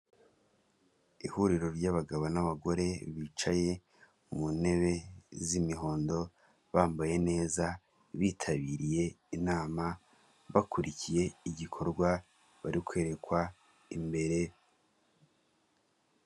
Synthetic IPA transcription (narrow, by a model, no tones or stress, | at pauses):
ihuɾiɾo̞ɾɟaβaɡaβonaβaɡo̞ɾe̞βit͡ʃaje̞ | mune̞βe̞zimiɦo̞ːndo̞ | βaːmbaje̞ne̞ːza | βitʰaβiɾije̞ | inaːma | βakuɾicije̞iɟikʰo̞ɾɡwa | βaɾikwe̞ːɾe̞kwa | imbe̞ɾe̞